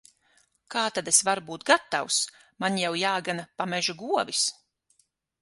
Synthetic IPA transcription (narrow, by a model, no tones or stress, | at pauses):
kaːt̪ad̪esvaɾbuːt̪̚ɡat̪ːaws | manjawjaːɡanapamɛʒuɡuɔvis